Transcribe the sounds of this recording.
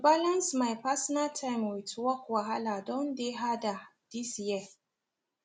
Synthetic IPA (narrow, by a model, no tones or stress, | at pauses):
balɐnsmajpasɔnatʰajmwɪtʰwɔkwaɦaladɔndeɦadad̥isiɛ